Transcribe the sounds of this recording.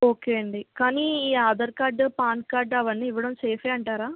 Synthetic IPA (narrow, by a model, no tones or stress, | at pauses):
o̞ːkeːɐɳɖikaːniːiːaːd̪ɐɾkaːɖpaːnkaːɖɐʋɐnːiːʋɐɽɐmseːfʰeːɐɳʈaːɾaː